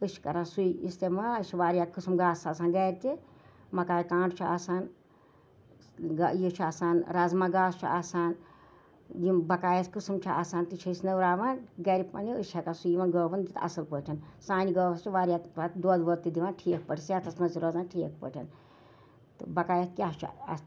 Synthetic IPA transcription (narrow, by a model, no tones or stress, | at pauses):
ɨʃʰkɐɾãːnsujḭst̪emɐɐt͡ʃʰiʋaːɾʲjaːkɨsmɡaːsaːsaːnɡɐːɾʲit̪i | mɐkaːjkãːɳɖt͡ʃʰua̰ːsaːn | jit͡ʃʰaːsaːnɾazmaːɡaːst͡ʃʰṵaːsaːn | jimbɐkaːjɐskɨsɨmt͡ʃʰia̰ːsaːnt̪it͡ʃʰɐisnɐwɾaːʋanɡɐɾipɐ̰niɨt͡ʃʲʰɐkasujiʋɐnɡəːʋɐnd̪it̪ʰɐ̰sɐlpəːʈʲʰɐnsaːnʲiɡəːʋɐst͡ʃʰiʋaːɾʲjaɾaːt̪d̪oːd̪ʋɐt̪ːid̪iʋaːnʈʰijk̚pəʈʰiset̪ʰɐsnɐziɾɐzaːnʈʰiːək̚pə̰ʈʰʲɐ̰n | t̪ɨbɐkaːjɐt̪kʲast͡ʃʰuɐ̰